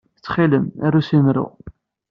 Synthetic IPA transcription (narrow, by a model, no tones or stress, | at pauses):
θt͡sːχiləmæɾusimɾʊ̰